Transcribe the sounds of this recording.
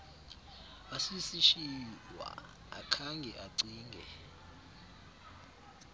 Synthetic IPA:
wasisiʃiwa̰ | akʰaŋɡʱɛʔaǀiːŋɡʱɛ̰

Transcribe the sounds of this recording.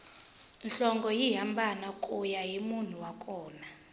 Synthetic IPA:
nɬɔŋɡɔjiɦambʱanakʼujaɦimun̤uwakʼɔːna

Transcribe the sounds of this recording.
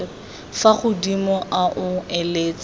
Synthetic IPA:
faχʊdimɔʔaʔʊɛleːt͡sʼ

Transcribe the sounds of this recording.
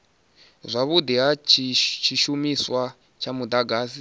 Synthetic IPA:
zʷaβud̪iɦat͡ʃʰit͡ʃʰiʃumiswa | t͡ʃʰamud̪aɡaːsi

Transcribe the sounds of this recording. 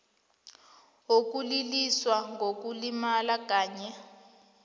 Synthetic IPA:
ok̬ʼuliliswaŋɡok̬ulimalak̬ʼaːɲɛ

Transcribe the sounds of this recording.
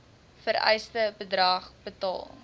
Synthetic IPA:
fəɾɛ̰jstəbədrɑːχb̥ətɑ̰ːlˠ

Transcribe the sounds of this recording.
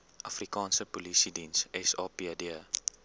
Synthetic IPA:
ʔɐfrikɑːnsəpolisidinsɛsɑːpiədiə

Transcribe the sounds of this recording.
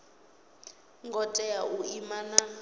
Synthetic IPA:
ŋɡɔtʼɛjaʔuimana

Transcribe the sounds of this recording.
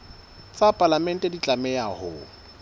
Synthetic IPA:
t͡sʼapʼalamɛn̩tʼɛdit͡ɬʼamɛjahʊ

